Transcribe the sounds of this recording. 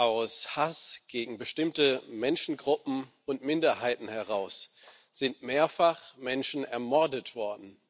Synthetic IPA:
ʔaʊshasɡ̥eːɡŋ̩bəʃtɪmtəmɛnʃn̩ɡʁʊpm̩ | ʊntmɪndɐhaɪtn̩hɛʁaʊs | z̥ɪntmeːɐfaχmɛnʃn̩ɛɐmɔɐdətv̥ɔɐdn̩

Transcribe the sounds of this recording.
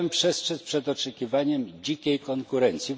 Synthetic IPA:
mpʂɛstʂɛspʂɛd̪ɔt͡ʂɛkʲivaɲɛmd͡ʑikʲejkɔŋkuɾɛnt̪sʲji

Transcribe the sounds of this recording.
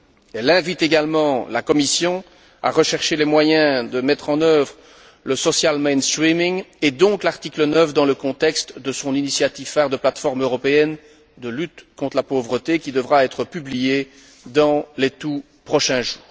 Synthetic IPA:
ɛlɛ̃vit̪eɡalmɑ̃lakɔmisjɔ̃ | a̰ʁəʃɛʁʃelɛmwajɛ̃d̪əmɛt̪χɑ̃nœvʁ | ləsɔsjalmejnst̪χimiŋed̪ɔ̃klaʁt̪iklənœfd̪ɑ̃ləkɔ̃t̪ɛkst̪d̪əsɔ̃ninisjat̪ivfɛʁd̪əplat̪fɔʁmøʁɔpeɛn | d̪əlyt̪kɔ̃t̪χəlapovʁət̪ekʲid̪əvʁaɛt̪χəpyblije | d̪ɑ̃let̪u | pχɔʃɛ̃ʒuːʁ

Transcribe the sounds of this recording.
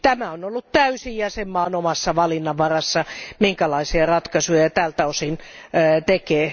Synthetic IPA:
t̪æmæonolːut̪t̪æysijjæsemːɑːnomɑsːɑʋɑlinːɑʋʋɑrɑsːɑmiŋkælɑisiɑrɑt̪kɑsujɑt̪æːlt̪æosinːt̪ekeː

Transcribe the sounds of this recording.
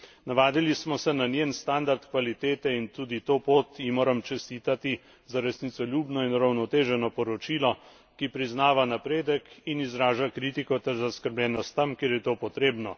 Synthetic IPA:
naʋaːd̪ilismɔsɛnanjenst̪and̪aɾt̪kʋalit̪eːt̪ɛint̪uːd̪it̪oːpoːt̪jimoːɾɐmt͡ʃɛst̪iːt̪at̪i | zaɾɛsnit̪sɔlʲjuːbnɔinuɾawnɔt̪eːʒɛnɔpɔɾɔt͡ʃiːlɔ | kipɾiznaːʋanapɾeːd̪əkinizɾaːʒakɾiːt̪ikɔt̪ɛɾzaskəɾblʲjɛːnɔst̪ːɐmkjeːɾjɛt̪oːpɔt̪ɾeːbnɔ

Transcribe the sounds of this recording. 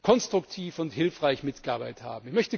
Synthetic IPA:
kʰɔnstʁ̥ʊktʰiːfʊnthɪlfʁ̥aɪçmɪtɡ̥əaɐbaɪtha̰ːbm̩ɪçmœçtə

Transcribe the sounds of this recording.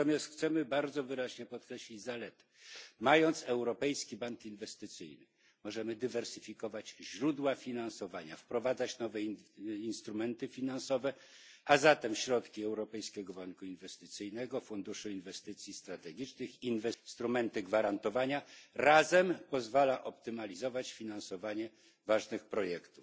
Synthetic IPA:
t̪ɔmʲjast̪xt̪sɛmɘbaɾd̪zɔvɘɾaʑɲɛpɔt̪kɾɛɕlʲid͡ʑzalɛt̪ | majɔnt̪sɛwɾɔpɛjskʲibaŋkinvɛst̪ɘt̪sɘ̰jnɘ | mɔʐɛmɘd̪ɘvɛɾsɘfʲikɔvad͡ʑʑɾud̪wafʲinansɔvaɲa̰fpɾɔvad̪zat͡ɕnɔvɛinst̪ɾumɛnt̪ɘfʲinansɔvɛ | azat̪ɛmɕɾɔt̪kʲiɛwɾɔpɛjskʲɛɡɔbaŋkuinvɛst̪ɘt̪sɘjnɛɡɔfund̪uʂuinvɛst̪ɘt̪sʲjist̪ɾat̪ɛɡʲit͡ʂnɘxinvɛst̪ɾumɛnt̪ɘɡvaɾant̪ɔvaɲaɾazɛmpɔzvalaʔɔp̚t̪ɘmalʲizɔvat͡ɕfʲinansɔvaɲɛ | vaʐnɘxpɾɔjɛkt̪uf

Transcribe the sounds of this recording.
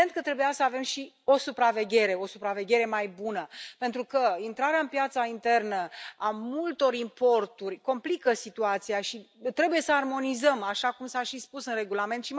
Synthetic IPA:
ent̪̚kət̪ɾe̞bujasəave̞mʃi | o̞supɾave̞ɡʲe̞ɾe̞o̞supɾave̞ɡʲe̞ɾe̞majbunəpe̞nt̪ɾukəint̪ɾaɾeaɨnpjat̪saint̪e̞rnəamult̪o̞ɾimpo̞rt̪urʲko̞mplikəsit̪uat̪siaʃi | t̪ɾe̞buje̞səarmo̞nizəmaʃakumsaʃispusɨnre̞ɡulame̞nt̪ʃi

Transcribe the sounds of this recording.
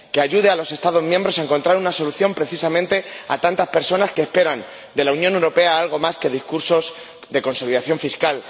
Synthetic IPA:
ke̞aʝuðealo̞se̞st̪aðo̞zmjẽmbɾo̞s̬aeŋko̞nt̪ɾaɾunaso̞luθjo̞mpɾe̞θisamẽnt̪e̞a̰t̪ant̪aspe̞ɾso̞naske̞ːspe̞ɾan | d̪e̞launjõnewɾo̞pe̞aalɣ̞o̞maske̞ðiskuɾso̞z | ðe̞ko̞nso̞liðaθjo̞ɱfiskal

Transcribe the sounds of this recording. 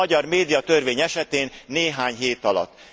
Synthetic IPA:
ɒɟɒrmeːd̪ijɒt̪ørveːɲɛʃɛt̪eːnːeːɦaːɲɦeːt̪ɒlɒ̰t̪ː

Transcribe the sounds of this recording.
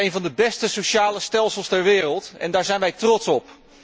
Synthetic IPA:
ejnvɑndəbɛstəsowʃaːləstɛlˠsəlˠstɛɹʋɪːrəlˠtɛ̰ndaːɹzɛjnʋɛjtrɔtsɔp

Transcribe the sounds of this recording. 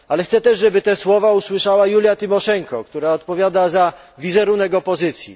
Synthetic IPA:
alɛxt̪sɛt̪ɛʐʐɛbɘt̪ɛswɔvauswɘʂawajulʲjat̪ɘmɔʂɛŋkɔkt̪uɾaɔt̪pɔvʲjad̪aza | vʲizɛɾunɛkɔpɔzɘt̪sʲjḭ

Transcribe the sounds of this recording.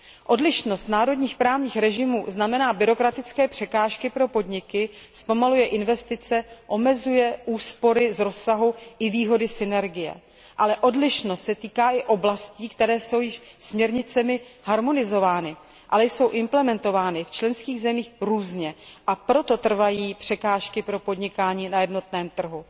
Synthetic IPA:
ʔo̞dlɪʃno̞st̪naːɾo̞dɲiːxpɾaːvɲiːxɾɛʒɪmuːznamɛnaːbɪɾo̞kɾat̪ɪt͡skɛːpr̥ɛkaːʃkɪpɾo̞po̞dɲɪkɪ | spo̞malujɛʔɪnvɛst̪ɪt͡sɛʔo̞mɛzujɛʔuːspo̞ɾɪzɾo̞sːaɦuʔɪviːɦo̞dɪsɪnɛɾɡɪjɛ̰ | ʔalɛʔo̞dlɪʃnost̪sɛt̪iːkaːʔɪʔo̞blasciːkt̪ɛɾɛːso̞wjɪʃsmɲɛɾɲɪt͡sɛmɪhaɾmo̞nɪzo̞vaːnɪ | ʔalɛjso̞wʔɪmplɛmɛnt̪o̞vaːnɪft͡ʃlɛnskiːɣzɛmiːxɾuːzɲɛʔapɾo̞t̪o̞t̪r̩vajiːpr̝̥ɛkaːʃkɪpɾo̞po̞dɲɪkaːɲiːnajɛdno̞t̪nɛːmt̪r̩ɦu

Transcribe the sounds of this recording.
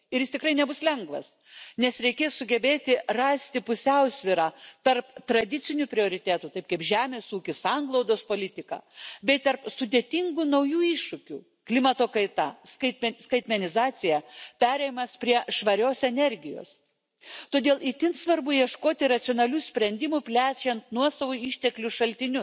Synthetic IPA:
ɪɾjɪst̪ʲɪkɾɐɪnʲɛbʊslʲɛŋɡʋɐ̰s | nʲɛsɾʲɛɪkʲeːssʊɡʲɛbʲeːt̪ʲɪrɑːsʲt̪ʲɪpʊsʲɛʊsʲʋʲɪɾɑːt̪ɐrpt̪ɾɐd̪ʲɪsʲɪnʲupʲɾʲɪoːɾʲɪt̪ʲæːt̪uːt̪ɐɪp̚kɐɪpʒʲæːmʲeːsuːkʲɪsɑŋɡlˠɐʊd̪oːspoːlʲɪt̪ʲɪkɑ̰ːbʲɛɪt̪ɐrpsʊd̪ʲeːt̪ʲɪŋɡuːnɐʊjuːɪʃʃʊkʲṵː | klʲɪmɐt̪oːkɐɪt̪ɐskɐɪt̪ʲmʲɛskɐɪt̪ʲmʲɛnʲɪzɑːsʲɪjɛpʲæːɾʲɛɪmɐspʲɾʲiɛʃʋɐɾʲoːsɛnʲɛɾʲɡʲɪjo̰ːs | t̪oːd̪ʲeːlˠit̪ʲɪnt̪sʋɐɾbʊjiɛʃkoːt̪ʲɪɾɐt̪sʲonɐlʲuːsʲpʲɾʲɛnʲd̪ʲɪmupʲlʲæːt͡ʃʲɛnt̪nuɔsɐʋoiʃʲt̪ʲɛklʲʊʃɐlʲt̪ʲɪnʲʊ

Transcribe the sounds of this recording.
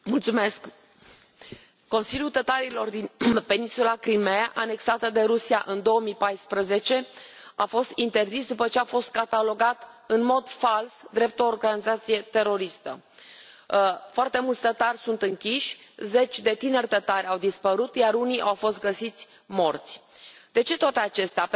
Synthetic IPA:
mult̪sume̞sk | o̞nsilʲjut̪ət̪aɾilo̞rd̪inpe̞ninsulakɾimeaʔane̞ksat̪əd̪e̞ɾusia̰ʔɨnd̪o̞omipajspɾəze̞t͡ʃe̞ | afo̞st̪int̪e̞rzisd̪upət͡ʃeafo̞st̪̚kat̪alo̞ɡat̪ | ɨnmo̞d̪falsd̪ɾe̞p̚t̪oːrɡanizat̪sije̞t̪e̞ɾo̞ɾist̪ə̰ | foart̪e̞mult̪sʲt̪ət̪arʲsunt̪ɨŋkʲiʃʲze̞t͡ʃʲd̪e̞t̪inerʲt̪ət̪aɾʲawd̪ispəɾut̪jaɾuniʔawfo̞st̪̚ɡəsit̪sʲ | mo̞rt̪sʲ | d̪e̞t͡ʃe̞t̪oat̪e̞at͡ʃe̞st̪ea

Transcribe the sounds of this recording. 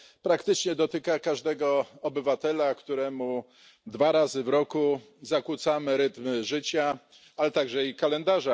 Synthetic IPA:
pɾakt̪ɘt͡ʂɲɛd̪ɔt̪ɘkakaʐd̪ɛɡɔɔbɘvat̪ɛlakt̪uɾɛmu | d̪vaɾazɘvɾɔku | zakwut̪samɘɾɘt̪mʐɘt͡ɕa | alɛt̪aɡʐɛikalɛnd̪aʐa

